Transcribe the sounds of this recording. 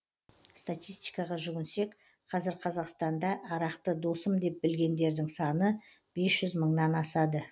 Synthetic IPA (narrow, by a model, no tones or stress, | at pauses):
st̪at̪ʲijst̪ijkɑʁɑʒʏɡʲɪnse̞k | qʰɑzɪɾqʰɑzɑqst̪ɑnd̪ɑʔːɾɑqt̪əd̪osəmd̪e̞p̚bɪlɡʲe̞nd̪e̞ɾd̪ɪŋsɑnə | b̥e̞sʒ̥ʏzməɴnɑnɑsɑd̪ə